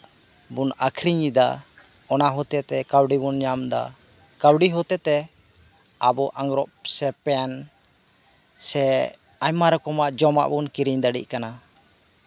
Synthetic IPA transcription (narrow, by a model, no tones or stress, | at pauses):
bunakʰɾiɲid̪a | ɔnaɦɔt̪ɛt̪ɛkawɖibunɲamd̪a̰ | kawɖiɦɔt̪ɛt̪ɛ | abɔʔaŋɡɾɔʔsɛpɛn | sɛ | aɲmaɾɔkɔmaʔd͡ʒɔma̰ʔbunkiɾiɲd̪aɖḭʔ̚kana